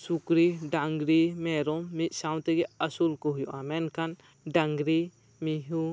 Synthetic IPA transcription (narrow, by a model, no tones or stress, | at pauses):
sukɾiɖaŋɡɾimɛɾɔːit̪̚ˀsawnt̪ɛɡɛɐsulkɔɦujɔʔamɛnkʰan | ɖaŋɡɾi | miɦu